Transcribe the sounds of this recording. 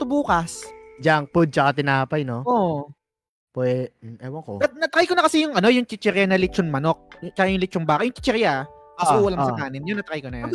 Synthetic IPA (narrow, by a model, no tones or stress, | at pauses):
t̪ʊbuːkɐsd͡ʒaŋpʊd̪̚t͡ʃɐkat̪ɪnaːpɐjno̞ʔoʔ | pwɛɛwɐŋkoɐnɐt̪kajkonɐkɐsɛjʊŋʔɐno̞jʊŋt͡ʃɪt͡ʃɛɾjanɐlɪt͡ʃoŋmɐno̞k̚t͡ʃɐkajʊŋlɪt͡ʃʊŋbaːkɐtjʊŋt͡ʃɪt͡ʃɛɾja | kɐuːɐlɐŋsɐaːnɪnjonːɐt̪ɐɾajkonɐj